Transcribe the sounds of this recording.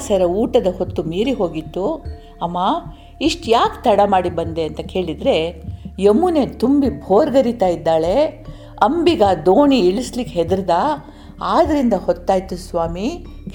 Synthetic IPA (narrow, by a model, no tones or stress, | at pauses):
sɐɾɐuːʈɐd̪ɐhot̪ːumiːɾiɦo̞ːɡit̪ːu | ɐmːaː | iʂʈjaːkt̪ɐɽɐmaːɽibɐnd̪e̞ɐnt̪ɐke̞ːɭid̪ɾe̞jemːune̞ːt̪umbibʱoːɾɡɐɾit̪aːjid̪ːaːɭe̞ | ɐmbiɡaːd̪oːɳiiɭislikːɦed̪ɾd̪a | aːd̪ɐɾind̪ɐhɔt̪ːaːjt̪ːusʋaːmi | k